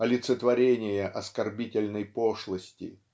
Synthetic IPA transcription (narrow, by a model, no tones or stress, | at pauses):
ɐlʲɪt̪sət̪vɐɾʲenʲɪjəʔɐskɐrbʲitʲɪlʲnəjpoʂlˠəsʲtʲɪ̰